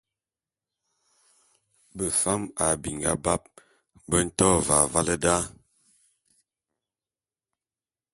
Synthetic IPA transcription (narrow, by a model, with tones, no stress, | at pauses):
bə˨fa˦ma˨bi˨ŋɡa̰˦ba˦p̚ | bə˦n̩˦tɔ˦va˨va˦lə˦da˦